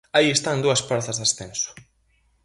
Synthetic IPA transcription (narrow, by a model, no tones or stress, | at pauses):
aiest̪and̪uɐspaɾθɐzðasθensʊ̥